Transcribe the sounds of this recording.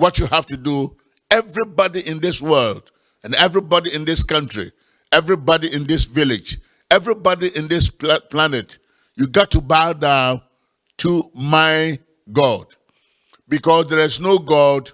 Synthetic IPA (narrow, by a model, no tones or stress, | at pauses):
wɔt͡ʃjuhæftudu | ɛvɹibɑdiʔɪ̃nðɪswɜ˞lˠd | ɨ̃nɛvɹibɔɾiɪ̃nðɪskʌ̃ntɹḭ | ɛvɹibɑɾiʔɪ̃ndɪsvɪlɪd͡ʒ | ɛvɹibɔdiʔɪ̃nðɪspplænɨt | juɡɑtʰːubadã | tʰumaɪ | ɡɔd̥ | bikɔsðə˞ɪznoɡɔd